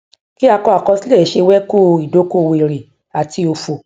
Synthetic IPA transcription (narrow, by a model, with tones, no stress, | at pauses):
ki˦a˧kɔ˧a˨kɔ˧si˦lɛ˦˨˦ʃe˧wɛ˦ku˦i˨do˨˦ko˦˨we˨ɾi˨ | a˨ti˧o˧fo˨